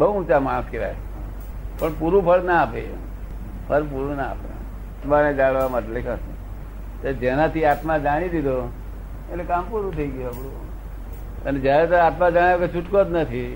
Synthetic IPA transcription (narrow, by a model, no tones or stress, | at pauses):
bəɦuũt͡ʃamaɽ̃əskiʋa̰j | pəɳpuɾũpʰəɭnaːpe | pʰəlpuɾũnaa̰pḛ | t̪maned͡ʒaɽʋamaʈelekʰase | t̪od͡ʒenat̪iat̪mãd͡ʒaɽ̃id̪id̪o | eekampuɾũt̪ʰəiɡəjoabɽu | əned͡ʒjaɾet̪oat̪mãd͡ʒaɽ̃aket͡ʃʰuʈkot̪nət̪ʰi